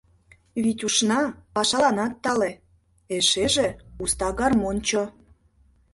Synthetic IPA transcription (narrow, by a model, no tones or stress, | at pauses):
βit̪ʲuʃnɑpɑʃɑlɑnɑt̪ːɑle | eʃeʒeust̪ɑɡɑrmont͡ɕo